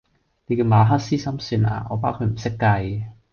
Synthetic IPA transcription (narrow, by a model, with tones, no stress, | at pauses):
ne˨˧kɛ˧maː˨˧ɦaː˥t̚siː˥sɐ˥msyː˧na̰ː˧ŋɔ̰ː˨˧p̬aː˥wkʰɵ˧m̩˨˩sɪ˥kːɐ˧j